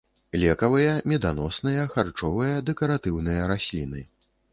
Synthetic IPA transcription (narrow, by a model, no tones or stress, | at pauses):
lʲɛkɐvɨjɐmʲɛd̪anɔsnɨjɐxart͡ʂɔvɨjɐd̪ɛkɐɾat̪ɨwnɨjɐɾasʲlʲin̪ɨ